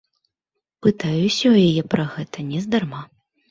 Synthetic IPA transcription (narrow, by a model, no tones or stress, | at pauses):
pɨt̪ajusʲɔjajɛpɾɐɣɛt̪ɐnʲɛzd̪arma